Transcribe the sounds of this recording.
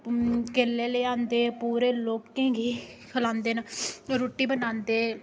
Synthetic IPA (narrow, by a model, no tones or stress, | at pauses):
keːlːeːleãːnd̪eːpuːɾeːloːkːẽːɡeːkʰəlãːnd̪eːnaɾoːʈːiːbənãːnd̪eː